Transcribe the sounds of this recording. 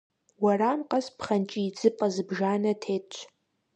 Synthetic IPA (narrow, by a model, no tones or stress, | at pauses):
waramqʼɐspχɐnt͡ʃʼiːd͡zʼɨpʼɐzɨbʒaːnɐtʰeː